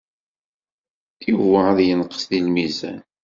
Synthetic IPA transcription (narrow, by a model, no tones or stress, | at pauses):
ivəaðjənqə̥sðilmizæ̰n